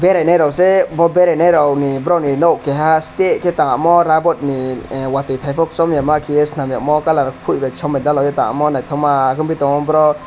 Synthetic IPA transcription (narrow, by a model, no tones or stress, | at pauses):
beɾajnajɾɔwsɛbɔbeɾajnajɾɔwnibɾɔwninɔwkɛɦastet̚kɛt̪aŋamɔɾabɔt̪̚niwat̪ujpʰajpʰɔk̚sɔmjamakʰiesnamjamɔkalaɾpʰujbɛt͡ʃʰɔmad̪alɔwjɛt̪ãŋa̰mɔnajt̪ʰɔmaːkɯmbit̪ɔŋɔbɾɔ